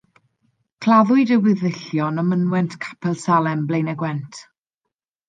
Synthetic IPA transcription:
kʰlˠaðʊɨdəwɪðɪɬjɔnəmənwɛntʰkʰḁpʰɛlˠsalɛmblejnɛɡwɛntʰ

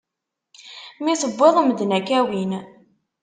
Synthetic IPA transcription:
miθəbːeðˤəməd̪nækæwin

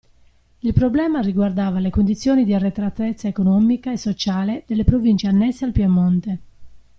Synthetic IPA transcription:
ilpɾoblɛːmariɡward̪aːvalekond̪it̪sːjɔːnid̪iarːet̪ɾat̪ːet̪sːaekonɔːmikaesːot͡ʃaːled̪elːepɾovint͡ʃeanːɛsːealpjamːɔnt̪e

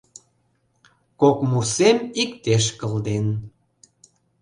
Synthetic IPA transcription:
kokmusemikt̪eʃkəld̪en

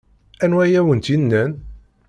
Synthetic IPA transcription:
ænwæjæwənt̪inːæn

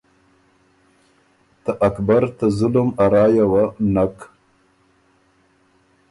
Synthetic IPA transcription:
t̪aʔakbaɾt̪azʊlumaɾɑːjawanak

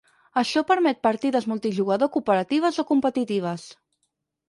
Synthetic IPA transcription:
əʃɔpəɾmɛt̪̚pəɾt̪iðəzmulˠt̪iʒuɣəðokupəɾət̪iβ̞əzokumpət̪it̪iβ̞əs

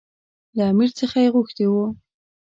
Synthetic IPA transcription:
laamiɾt͡səxajeɣoxt̪ewu

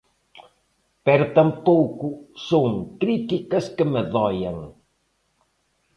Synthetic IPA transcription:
pɛɾʊt̪ɐmpowkʊsoŋkɾit̪ikɐskəmeðɔjɐŋ

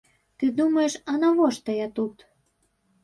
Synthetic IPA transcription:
t̪ɨd̪umeʃɑnɑβoʃt̪ɤjɑt̪ut̪

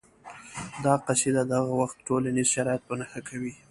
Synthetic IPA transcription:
d̪ɑqased̪ad̪aɣawaxt̪ʈolanizʃaɾɑjat̪̚pənaxakʰawi

